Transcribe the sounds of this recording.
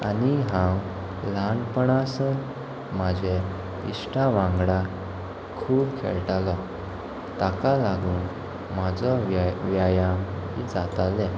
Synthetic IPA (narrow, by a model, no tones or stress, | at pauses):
aniɦãw | laɳpəɳasən | mad͡ʑʱe | ḭsʈaʋãŋɡɽa | kʰuːbkʰḛɭʈalɔ | t̪akalaɡuːn | mad͡zɔʋjajamid͡zat̪alɛ̃